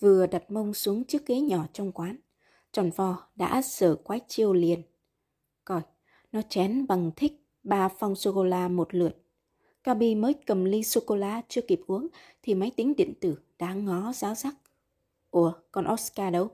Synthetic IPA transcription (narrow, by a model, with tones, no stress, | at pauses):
vɨ˨˩əɗa˨˩t̚mə˧wŋ͡msu˨˦əŋt͡ɕɨ˦˥ək̚ːe˨˦ɲɔ˧˩t͡ɕɔ˧wŋ͡mkwaː˨˦n | t͡ɕɔ˧˩nvɔ˨˧˩ɗa̰ː˧˥səː˧˩kwaː˨˦t͡ɕi˧˩əwli˨˩ən | kɔ˨˩j | nɔ˨˦t͡ɕɛ˨˦nɓa˨˩ŋt̪ʰï˦˥k̟̚ | ɓaː˧˩fa˧wŋ͡mso˧ko˧laː˧mo˨˩t̚lɨ˨˩ət̚ | kaː˧ɓi˧məː˨˦jkə˨˩mli˧so˧ko˧laː˧t͡ɕɨ˧əki˨˩p̚ʔu˨˦əŋ | t̪ʰi˨˩ma˨˦jt̪ï˨˦ŋ̟ɗḭ˧˨ə˨ŋ̟t̪ɨ˧˩ | ɗa̰ː˧˥ŋɔ˨˦zaː˨˦wzaː˦˥k̚ | ku˧˩əkɔ˧˩nʔo˦˥skaː˧ɗə˧w